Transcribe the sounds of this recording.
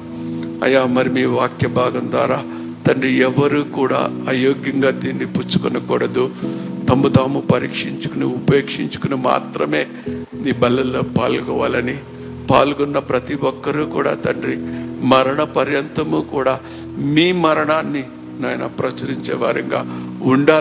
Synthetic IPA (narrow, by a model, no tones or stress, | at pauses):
ɐ̰jːaːmɐɾimiːʋaːkjɐbʱaːɡɐnd̪ʋaːɾaː | t̪ɐɳɖɾiɛʋɐɾukuːɽa̰ːɐjoːɡjɐŋɡaːd̪iːnːiput͡ʃu̥kɔnɐkɔːɽɐd̪ut̪ɐmbut̪aːmupɐɾḭːkʂiɲt͡ʃu̥kuniupeːkʂiɲt͡ʃu̥kunima̰ːt̪ɾɐme̞ː | miːbɐlːɐlːoːpaːlkɔːʋa̰ːlɐni | pa̰ːlɡɔnːɐpɾɐt̪iʋɔkːɐɾuːkṵːɽa̰ːt̪ɐɳɖrimɐɾɐɳɐpɐɾjɐnt̪ɐmukuːɽaː | miːmɐɾɐɳaːnːi | naːjɐnɐ̰pɾɐt͡ʃɐɾiɲt͡ʃɛ̰ːʋa̰ːɾɐ̰ŋɡa̰ːuɳɖaː